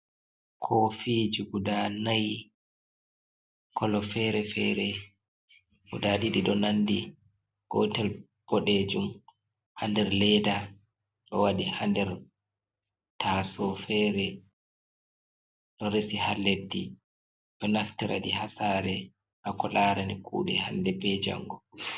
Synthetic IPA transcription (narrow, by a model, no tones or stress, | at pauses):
kʰɔfid͡ʒuɡudanaj | kʰɔlɔfɛɾɛfɛɾɛ | ɡṵdaɗiɗiɗɔnanːdi | ɡ̥ɔtɛl | b̥ɔɗeːd͡ʒum | handɛɾlɛda | ɗɔ̰waɗihandɛɾ | tʰasɔfɛɾɛ | ɗɔɾesihalːedːi | ɗɔnaftiɾʔa̰ɗihasaːɾɛ | ʔakɔlaːɾanikṵːɗɛhandɛbɛd͡ʒa̰ŋɡɔ